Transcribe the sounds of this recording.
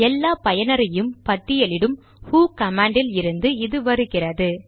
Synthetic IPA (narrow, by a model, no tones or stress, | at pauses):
ɛlːaːpɐjɐnɐɾɐjɯmpɐʈːɪjɐlɪɽɯm | huːkɐmaːɳɖɪlɪɾɯnd̪ɯɪðɯʋɐɾɯɣɪrɐðɯ